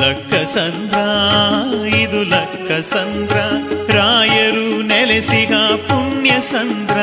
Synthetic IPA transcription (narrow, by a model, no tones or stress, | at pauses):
lɐkʰːɐsɐnd̪ɾɐ | id̪ulɐkʰːɐsɐnd̪ɾɐɾaːjɐɾunɛlesiɡɐpuɳjɐsɐnd̪ɾɐ